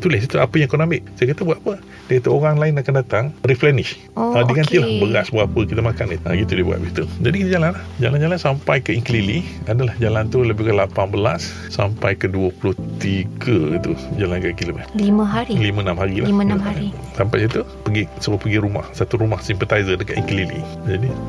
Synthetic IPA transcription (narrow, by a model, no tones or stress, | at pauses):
t̪ulɪsit̪uapəjaŋkonamɪʔsajakat̪əbuat̪apə | dakat̪əoɾaŋlaɪnakandat̪aŋriplɛnɪʃ | ədiŋant̪ilahbəɣasbəɣapəkit̪əmakaniəɡit̪udibua̰ɡit̪ud͡ʒadikit̪ad͡ʒalanlahd͡ʒaland͡ʒalansampajkəiŋklili | adalahd͡ʒalant̪uləbɪkəlapanbəla̰s | sampajkəduəpuluht̪iɡət̪ud͡ʒalankakilomɛt̪liməɦaɾilimə̃namɦaɾilanaaisampajkit̪upəɡisəopəɡiɾuma̰hsat̪uɾumahsimpət̪ajzədəka̰t̪ḭŋkəlilḭ | d͡ʒadi